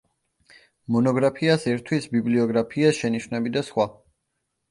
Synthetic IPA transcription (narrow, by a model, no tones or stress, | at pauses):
mɔnɔɡɾapʰiasɛɾt̪ʰwisbibliɔɡɾapʰiasʃɛniʃvnɛbid̪asχwa